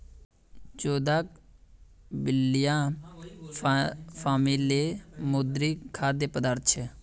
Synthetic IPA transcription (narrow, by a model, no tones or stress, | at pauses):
t͡ʃoːd̪aːk | bɪlːijãː | pʰaːmileːmʊd̪ɾiːkʰaːd̪eːpəd̪əɾt̪ʃʰ